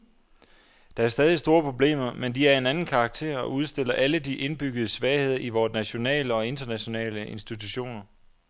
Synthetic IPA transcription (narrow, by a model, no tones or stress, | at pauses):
d̥ɑ̈æɐsd̥ɛːð̞ˠisd̥o̝ːɐpʰʁo̝b̥le̝̰ːmɐmend̥iæɐe̝nænn̩kʰɑ̈ɡ̥̚t͡sʰe̝̰ːɐ̰ɒuð̞ˠsd̥e̝l̰ɐʔæləd̥iʔe̝nb̥yɡ̥əð̞ˠəsʋɛɪhe̝ð̞̰ˠɐiʋɒːdnæɕo̝nɛ̰ːləɒ̽e̝nd̥ɐnæɕo̝nɛ̰ːləʔe̝nsd̥it͡sʰuɕo̝̰ːnɐ